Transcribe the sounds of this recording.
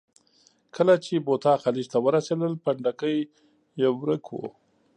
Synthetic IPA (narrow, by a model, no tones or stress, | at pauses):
kʰəlat͡ʃebot̪ɑxalid͡ʒt̪awəɾased̪əlpaɳɖakəj | jewɾəkʰwo̰